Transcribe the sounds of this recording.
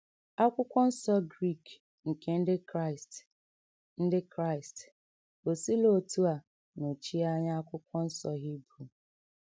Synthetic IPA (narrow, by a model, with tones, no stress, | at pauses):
a˦kʷʊ˦kʷɔ˦n̩˦sɔ˦ɡɾi˦˨k | ŋ̩˨ke˨n̩˦dɪ˦s | n̩˦dɪ˦kɾa˦˨ɪ˨st | o˨si˦lo˦˨tu˦a˨ | no˨t͡ʃi˦a˦ɲa˦a˦kʷʊ˦kʷɔ˦n̩˦sɔ˦ɦi˦bɾu˨